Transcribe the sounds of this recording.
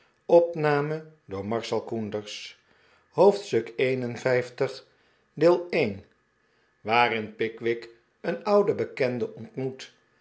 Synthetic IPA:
ɔpnaːmədʊːɹmɑɹsɛlˠkundəɹs | howftstɵkejnənvɛjftəχ | dɪːlˠejn | ʋaːɾɪnpɪkʋɪk | ənʌwdəbəkɛndəʔɔntmut

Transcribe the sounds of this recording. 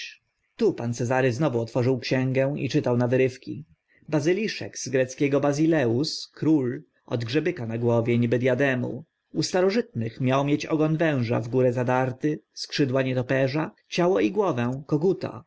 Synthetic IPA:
t̪upant̪sɛzaɾɘznɔvuɔt̪fɔʐɘwkɕɛ̃ŋɡɛ̃ḭt͡ʂɘt̪awnavɘɾɘfkʲḭ | bazɘlʲiʂɛ̰ɡz̥ɡɾɛt̪skʲɛɡɔbazʲilɛuskɾul | ɔ̰d̪ɡʐɛbɘkanaɡwɔvʲjɛɲibɘd̪ʲjad̪ɛmṵ | ust̪aɾɔʐɘt̪nɘxmʲjawmʲjet͡ɕɔ̰ɡɔnvɛ̃w̃ʐa̰vɡuɾɛzad̪aɾt̪ɘskʂɘd̪waɲɛt̪ɔpɛʐa | t͡ɕawɔiɡwɔvɛ̃kɔɡut̪a̰

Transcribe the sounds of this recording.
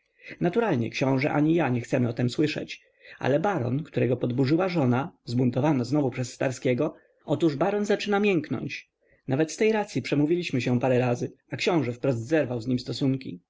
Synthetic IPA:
nat̪uɾalɲɛ̰kɕɔ̃w̃ʐɛ̰ʔa̰ɲijaɲɛxt̪sɛmɘɔt̪ɛmswɘʂɛ̰t͡ɕ | ʔa̰lɛbaɾɔ̰nkt̪uɾɛɡɔpɔd̪buʐɘwaʐɔnazbunt̪ɔvanɔznɔvupʂɛsːt̪aɾskʲɛɡɔ | ʔɔt̪uʐbaɾɔnzat͡ʂɘnamʲjɛŋknɔ̰ɲt͡ɕ | navɛt̪st̪ɛjɾat̪sʲjipʂɛmuvʲilʲiɕmɘɕɛ̃paɾɛɾazɘ | akɕɔ̃w̃ʐɛfpɾɔzd̪zɛɾvawzɲimst̪ɔsuŋkʲḭ

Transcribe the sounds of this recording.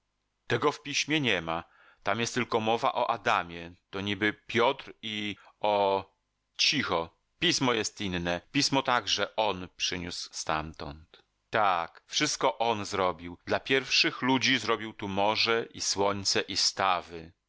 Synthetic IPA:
t̪ɛɡɔfpʲiɕmʲjɛɲɛma | t̪amjɛst̪ːɘlkɔmɔva̰ʔɔʔad̪amʲjɛt̪ɔɲibɘpʲjɔt̪ɾiɔ | t͡ɕixɔ | pʲismɔjɛst̪inːɛpʲismɔt̪aɡʐɛʔɔnpʂɘɲusst̪a̰mt̪ɔnt̪ | t̪akfʂɘst̪̚kɔʔɔnzɾɔbʲiwd̪lapʲjɛɾfʂɘxlud͡ʑizɾɔbʲiwt̪umɔʐɛʔiswɔɲt̪sɛʔist̪avɘ

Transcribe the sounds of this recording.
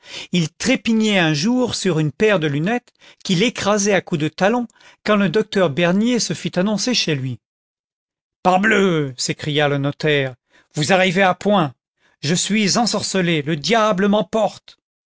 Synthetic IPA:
ilt̪χepiɲɛɛ̃ʒuʁsyʁynpɛʁd̪əlynɛt̪ | kʲilekχazɛakud̪ət̪alɔ̃ | kɑ̃ləd̪ɔk̚t̪œʁbɛʁnjesəfit̪anɔ̃seʃelɥi | paʁbløsekχijalənɔt̪ɛʁ | vuzaʁiveapwɛ̃ | ʒəsɥizɑ̃sɔʁsəleləd̪jabləmɑ̃pɔʁt̪

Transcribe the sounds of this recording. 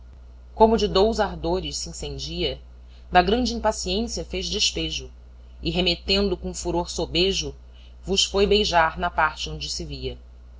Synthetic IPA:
kõmʊd͡ʒɪd̪owzaɾd̪oɾɪʃsiĩsẽnd͡ʒiɐ | d̪ɐɡɾɐ̃nd͡ʒɪĩmpasiẽsiɐfeʒd͡ʒɪʃpeʒʊ | ɪɦemet̪ẽnd̪ʊkõũfuɾoɾsobeʒʊ | vʊʃfojbejʒaɾnɐpaɾt͡ʃɪõd͡ʒɪsɪviɐ

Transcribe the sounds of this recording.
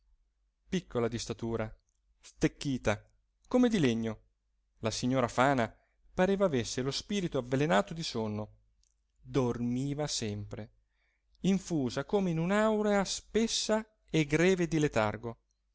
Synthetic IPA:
pikːolad̪ist̪at̪uːɾa | st̪ekːiːt̪a | komed̪ileɲːo | lasiɲːoːɾafaːna | paɾeːvaːvesːelospiːɾit̪oavːelenaːt̪od̪isonːo | d̪ormiːvasɛmpɾe | iɱfuːzakoːmeinunawɾeaspesːa | eɡɾɛːved̪ilet̪arɡo

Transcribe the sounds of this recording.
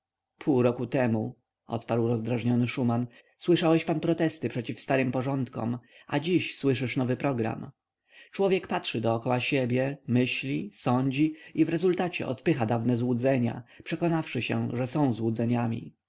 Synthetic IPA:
pʰuwɾɔkut̪ɛmu | ʔɔ̰t̪paɾwɾɔzd̪ɾaʐɲɔnɘʂuman | swɘʂawɛɕpanpɾɔt̪ɛst̪ɘpʂɛt͡ɕifst̪aɾɘmpɔʐɔnt̪kɔ̰ma̰d͡ʑiɕswɘʂɘʂnɔvɘpɾɔɡɾa̰m | t͡ʂwɔvʲjɛkpatʂɘd̪ɔːkɔwaɕɛbʲjɛmɘɕlʲisɔɲd͡ʑiivɾɛzult̪at͡ɕɛ̰ʔɔt̪pɘxad̪avnɛzwud̪zɛɲa̰pʂɛkɔnafʂɘɕɛ̰ʐɛsɔ̃w̃zwud̪zɛɲamʲḭ

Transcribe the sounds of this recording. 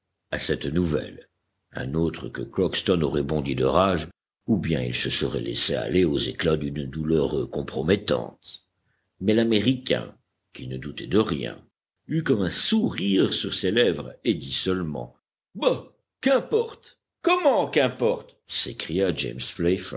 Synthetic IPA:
asɛt̪nuvɛ̰l | ɛ̰̃not̪χəkəklɔkst̪ɔnɔʁɛbɔ̃d̪yd̪əʁaʒ | ubjɛ̃ḭlsəsəʁɛ̰lɛ̰sea̰leozeklad̪ynd̪ulœʁkɔ̃pχɔmɛt̪ɑ̰̃t̪ | mɛlameʁikʲɛ̰̃ | kʲinəd̪ut̪ɛd̪əʁjɛ̰̃ | ykɔmɛ̃suʁiʁsyʁselɛvʁed̪isəlmɑ̰̃ | ba | kɛ̃pɔʁt̪ | kɔmɑ̃kɛ̃pɔʁt̪ | sekχijad͡ʒḛmsflɛfə̰

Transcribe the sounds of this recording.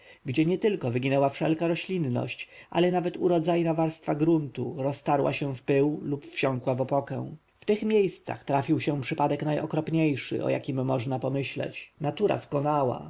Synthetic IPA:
ɡd͡ʑɛɲɛt̪ɘlkɔvɘɡʲinɛwafʂɛlkaɾɔɕlʲinːɔ̰ɕt͡ɕʔa̰lɛnavɛt̪uɾɔd̪zajnavaɾst̪faɡɾunt̪uɾɔst̪aɾwa̰ɕɛfpɘwlupfɕɔ̃ŋkwavɔpɔkɛ̰w̃ | ft̪ɘxmʲjejst̪sa̰xt̪ɾafʲiwɕɛ̃pʂɘpad̪ɛknajɔkɾɔpɲejʂɘ̰ʔɔ̰ja̰kʲimːɔʐnapɔmɘɕlɛ̰t͡ɕnat̪uɾa̰skɔnawa̰

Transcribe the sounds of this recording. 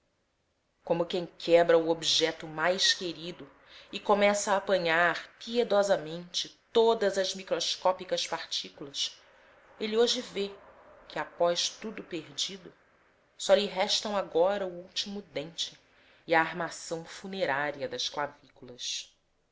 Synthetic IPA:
kõmʊkẽj̃kʰɛbɾɐuobiʒɛt̪ʊmajʃkeɾid̪ʊ | ɪkomɛsɐaːpɐ̃ɲaɾpied̪ɔzɐmẽnt͡ʃɪt̪od̪ɐzɐzmikɾoʃkɔpikɐspaɾt͡ʃikulɐs | elioʒɪve | kɪapɔʃt̪ud̪ʊpeɾd͡ʒid̪ʊ | sɔliɦɛʃt̪ɐ̃w̃aɡɔɾɐuuwt͡ʃimʊd̪ẽnt͡ʃɪ | aːɾmasɐ̃w̃funeɾaɾiɐd̪ɐsklavikulɐs

